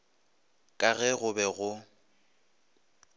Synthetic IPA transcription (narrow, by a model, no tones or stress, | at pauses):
kʼaɣɛɣʊbɛɣʊ